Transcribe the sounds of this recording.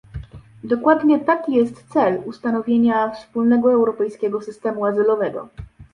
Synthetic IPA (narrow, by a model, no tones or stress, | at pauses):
d̪ɔkwad̪ɲɛt̪akʲijɛst̪t̪sɛlust̪anɔvʲjeɲafspulnɛɡɔɛwɾɔpɛjskʲɛɡɔsɘst̪ɛmuazɘlɔvɛɡɔ̰